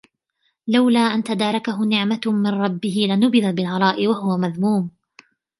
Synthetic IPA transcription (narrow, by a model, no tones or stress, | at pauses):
lawlaːʔant̪ad̪ɑːɾˤɑkaɦʊnɪʕmamɪnɾˤɑbːɪhɪlɪnʊbɪðabɪlɣɑɾˤɑːʔɪwaɦʊwamaðmuːm